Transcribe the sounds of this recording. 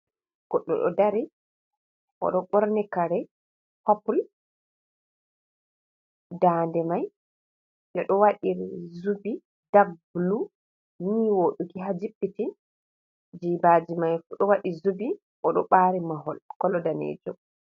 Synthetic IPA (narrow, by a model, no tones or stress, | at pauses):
ɡ̥ɔɗːɔ̰ɗɔ̰daɾi | ʔɔ̰ɗɔɓɔɾnɛkaɾɛ | hapul | daːndɛmaj | ɗɔɗɔwaɗiɾizubi | d̥ablu | niwoːɗukiɦad͡ʒipːiti | d͡ʒiːbaːd͡ʒimajfuɗɔwaɗizubi | ʔɔɗɔ̰ɓaːɾimaɦɔlkɔlɔdanḛːd͡ʒɔ